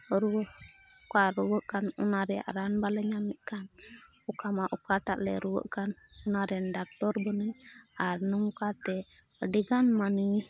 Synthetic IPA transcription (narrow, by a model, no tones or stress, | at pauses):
ɾuwəʔkaɾuwəʔkanunaɾɛja̰ʔɾanbalɛɲamɛt̪̚ˀkan | ukamaʔukaʈaʔlɛ̰ɾuwə̰ʔkanunaɾɛnɖak̚ʈɔɾbɔnɛaɾnɔŋkat̪ɛ | əɖiɡanmani